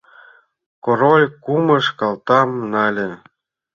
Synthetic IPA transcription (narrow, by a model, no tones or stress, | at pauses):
koɾolʲkumə̆ʃkɑlt̪ɑmnɑlʲĕ